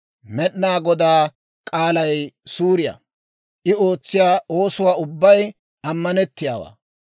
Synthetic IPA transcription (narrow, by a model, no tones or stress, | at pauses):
mɛɗnaːɡɔd̪aː | kʼaːlɐjsuːɾɪja̰ | ʔɪo̞ːt͡sːɪjaːo̞ːsʊwaːʊbːɐj | ɐmːɐnɛt̪ːɪjaːwa̰ː